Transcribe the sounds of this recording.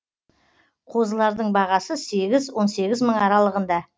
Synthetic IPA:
qʰo̞zəlˠɑɾd̪əɴbɑʁɑsəse̞ɡʲɪzwo̞nse̞ɡʲɪzməɴɑɾɑlˠəʁənd̪ɑ

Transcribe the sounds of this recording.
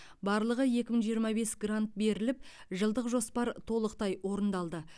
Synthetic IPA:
bɑɾlˠəʁəje̞kʲɪməɴʒijəɾmɑbe̞sɡrant̪̚be̞ɾɪlɪp̚ | ʒəlˠd̪əqʒo̞spɑɾt̪ʰo̞lˠəqt̪ɑjwo̞ɾənd̪ɑlˠd̪ə

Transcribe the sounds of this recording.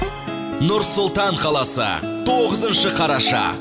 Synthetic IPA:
nʊɾsʊlˠt̪ɑɴqʰɑlˠɑsə̰ | t̪ʰo̞ʁəzənʃəqʰɑɾɑʃɑ̰

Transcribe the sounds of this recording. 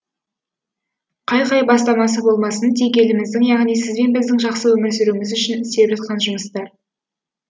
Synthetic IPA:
qʰɑjqɑjbɑst̪ɑmɑsəbo̞lˠmɑsənt̪ʰekʲe̞lɪmɪzd̪ɪŋjɑʁnijsɪzbe̞nbɪzd̪ɪŋʒɑqsəwɵmɪɾsʏɾumɪzʏʃɪnɪsepʒɑt̪̚qɑnʒʊməst̪ɑɾ

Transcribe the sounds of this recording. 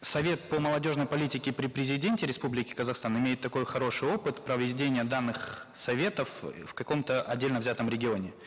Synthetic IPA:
sɐvʲe̞t̪̚pəməlˠɐdʲo̞ʐnəjpɐlʲitʲɪkʲɪpɾʲɪpɾʲɪzʲɪdʲenʲtʲɪɾʲɪspublʲɪkʲɪ̥kəzɐxst̪anɪmʲejɪt̪ːɐko̞jxɐɾo̞ʂɨjo̞pɨt̪pɾəvʲɪdʲenʲɪjəd̪anːɨxsɐvʲe̞t̪əffkɐko̞mt̪əʔɐ̰dʲelʲnəvzʲat̪əmɾʲɪɡʲɪonʲɪ

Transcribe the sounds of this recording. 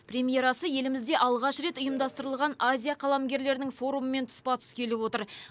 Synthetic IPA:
pɾʲe̞mʲije̞ɾɑsəje̞lɪmɪzd̪e̞ʔɑlˠʁɑʃɾe̞t̪ʊjəmd̪ɑst̪əɾəlˠʁɑnazʲijaqʰɑlˠamɡʲe̞ɾle̞ɾɪnɪŋfo̞ɾuməme̞nt̪ʰʊ̥spɑt̪ʰʏ̥skʲe̞lɪpwo̞t̪əɾ

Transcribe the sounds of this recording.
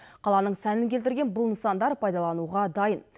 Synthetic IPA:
qʰɑlˠɑnəɴsænɪŋkʲʰe̞lt̪ɪɾɡʲe̞nbʊlˠnəsɑnd̪ɑɾpʰɑjd̪ɑlˠɑnuʁɑd̪ɑjən

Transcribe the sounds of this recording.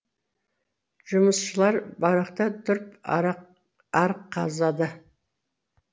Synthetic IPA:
ʒ̥ʊməsʃəlˠɑɾbɑɾɑqt̪ɑd̪ʊɾp | ɑɾqʰːɑ̰zɑd̪ə

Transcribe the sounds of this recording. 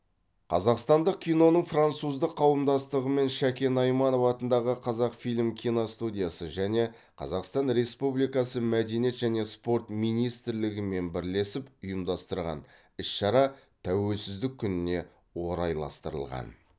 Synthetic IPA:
qʰɑzɑqst̪ɑnd̪əqkʲʰːijno̞nəɴfrant̪suzd̪əqʰːɑwəmd̪ɑst̪əʁəme̞nʃækʲe̞nɑjmɑnofɑt̪ənd̪ɑʁəqʰɑzɑqfilʲmkʲʰijnost̪ud̪ʲijasəʒæne̞ | qʰɑ̰zɑqst̪ɑnɾe̞spublijkɑsəmæd̪e̞nije̞t̪ʒæne̞spo̞rt̪mijnijst̪ɪɾlɪɡʲɪme̞nbɪɾle̞sɪpʊjəmd̪ɑst̪əɾʁɑ̰n | ɪsʃɑɾɑt̪ʰæwe̞lsɪzd̪ɪk̚ʲʰːʏnɪne̞ | wo̞ɾɑjlˠɑ̰st̪əɾə̰lˠʁɑ̰n

